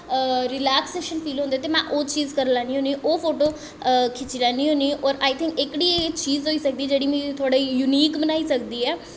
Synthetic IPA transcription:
ɾɪlɛːkseːʃənpʰiːlõːnd̪eːt̪eːmɛ̃ːʔoːt͡ʃiːzkəɾlaːniːɦoːniːʔoːpʰoːʈoː | kʰɪt͡ʃːlaːniːɦõːniːɔːɾaːit̪ʰɪ̃ŋkɪkɽiːt͡ʃiːzoːiːsək̚d̪iːd͡ʒeːɽiːmĩːt̪ʰaːɽaːijʊniːkbənaːiːsəkd̪iːɛː

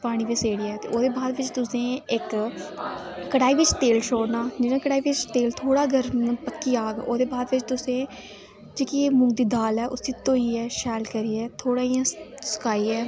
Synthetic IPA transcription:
paːɽ̃iːʋeseːɽiːɛːt̪ḛːʔoːd̪eːbaːd̪ʋɪt͡ʃt̪ʊsẽːɪk | əʈaːiːʋɪt͡ʃt̪eːlʃoːɽnaːd͡ʒɪːnãːkəɽaːiʋɪt͡ʃt̪eːlt̪ʰoːɽaːɡʱəɾmpəkːiaːɡoːd̪eːbaːd̪ʋɪt͡ʃt̪ʊsẽ | d͡ʒeːkieːmʊ̃ŋɡd̪iːd̪aːlɛːʔʊsiːt̪oːiːɛːʃɛːlkəɾiːɛːt̪ʰoːɽaːijãːsə̥kaːiɛː

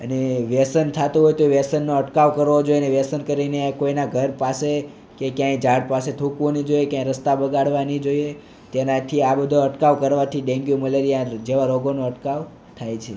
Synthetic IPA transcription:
əneʋɛsənt̪ʰat̪ũɦojt̪oʋesənːoəʈkaʋkəɾʋod͡ʒojneʋɛsənkəɾinekoinaɡʱəɾpase | kekjãid͡ʒaɽpaset̪ʰũkʋonid͡ʒojekjãiɾəst̪abəɡaɽʋanid͡ʒoje | t̪enat̪ʰiabəd̪ʱoəʈkaʋkəɾʋat̪ʰiɖẽŋɡjuməleɾijad͡ʒeʋaɾoɡonoəʈkaʋ | t̪ʰajt͡ʃʰe

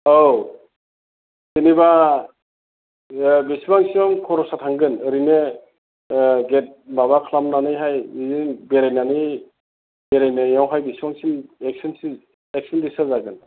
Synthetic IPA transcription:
ow | siniba | besibaŋsiɔmkʰɔɾɔsatʰaŋɡɯnɯɾine | ɡet̚baβakʰlamnanɯjɦajizinbeɾajnanɯ | beɾajnajawɦajbisibaŋsinek̚sinsi | ek̚sɔndisazaɡɯn

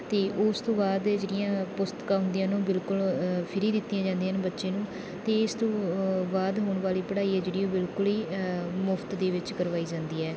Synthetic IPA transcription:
t̪eːʔʊst̪õːbaːd̪d͡ʒeːɽɪjãːpʊst̪kaːɦʊ̃ːnd̪ijãːnũːbɪlkʊlpʰɪɾiːd̪ɪt̪ːɪjãːd͡ʒãːnd̪ijənbətːʃeːnũː | t̪eːɪst̪õːbaːd̪ɦoːɳʋaːliːpəɽaːiːɛːd͡ʒeːɽiːoːbɪlkʊliːmʊpʰt̪d̪eːʋɪt͡ʃkəɾʋaːiːd͡ʒãːnd̪iːɛː

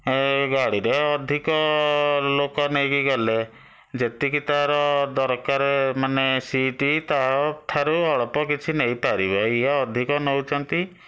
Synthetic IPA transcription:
ɡaɽiɾeɔd̪ʱikɔ | lokɔnejkiɡɔle | d͡ʒet̪ikit̪aɾɔd̪ɔɾkaɾemanesiʈit̪aɔt̪ʰaɾuɔɭɔpɔkit͡ʃʰineĩpaɾibɔiɦaɔd̪ʱikɔnɔwt͡ʃʰɔnt̪i

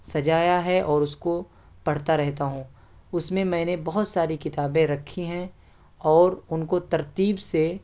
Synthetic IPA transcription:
sɐd͡ʒaːjaɦɛʔɔːɾʊsko | pɐɽ̤t̪aɾɛɦt̪aɦũː | ʊsmẽmɛ̃ːnebɐɦʊt̪saːɾikɪt̪aːbẽɾɐkʰːiɦɛ̃ | ɔːɾʊnkot̪ɐɾt̪iːbse

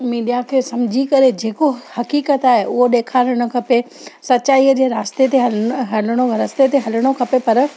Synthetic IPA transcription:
miːɖijakʰeːsɐmd͡ʑʱikɐɾed͡ʑeːkohɐkiːkət̪aːɦeʔʊɦoɗeːkʰaːɾəɽ̃ʊ̆kʰɐpe | sɐtːt͡ɕaːiːəd͡ʑeːɾaːst̪et̪eɦɐɦɐləɽ̃oɾast̪et̪eɦɐlɪɽ̃okʰɐpepɐɾ

